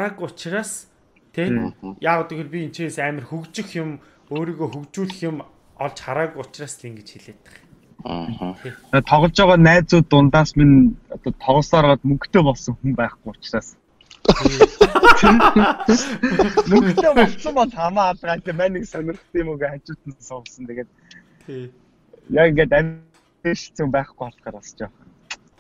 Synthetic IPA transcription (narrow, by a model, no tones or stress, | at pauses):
ɾaɣʊt͡ɕraːs | t̪ʰejaːʁʊt̪ixerpʲiin̥t͡ɕʰeeːsæːmə̆rxɵkt͡ɕɪ̆xjʊm | oːɾiːɣoːxɵkt͡ɕuːɮɘ̆xjʊm | ɔɮt͡ɕχaɾaːkʊt͡ɕraːst̪ʰeŋɡet͡ɕxiɮeːt̪ɘ̥̆χ | at̪ʰɔʁɞ̆ɮt͡ɕɔːʁɔːnæːt͡suːt̪ːʊnt̪aːsminɔt̪ɔːt̪ʰɔʁɞ̆ɮsɔɾɔːt̪mɵkt̪eːpɔɮsɞ̆ŋxumpæːχɡujʊt͡ɕraːs | t̪ʰe | mɵkt̪eːpɔɮt͡sə̆mpɔɮχamaːɮʁaːt̪eːmæniksœnʲɪ̆r̆t̪iːmɵɣeat͡ɕʊːt̪ənsɔʁɞ̆ɮsə̆nt̪ʰeɣeːt̪̚ | t̪ʰ | jakiŋɡeːt̪æm | eʃɪ̥̆ɬt͡sə̆mpæːχɡuχaɮχaːɾɔst͡ɕaχən